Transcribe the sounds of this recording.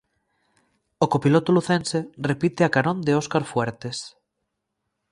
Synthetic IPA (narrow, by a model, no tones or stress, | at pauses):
okopilot̪oluθenserepit̪eakaɾõnd̪eoskaɾfwɛɾt̪es